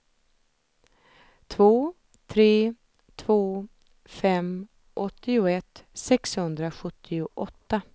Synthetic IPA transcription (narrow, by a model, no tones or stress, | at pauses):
t̪ʰvoː | t̪ʰɾeː | t̪ʰvoː | fɛm | ʔɔt̪ːɪʊɛt̪ːsɛkshɵnd̪ɾaɧɵt̪ʰːɪʊʔɔt̪ːa